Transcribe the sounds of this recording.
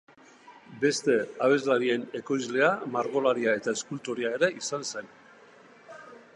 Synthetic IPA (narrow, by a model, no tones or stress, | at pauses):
be̞st̪e̞aβ̞e̞zlaɾie̞ne̞ko̞jzle̞amaɾɣo̞laɾiae̞t̪ae̞skult̪oɾiae̞ɾe̞ʔisanse̞n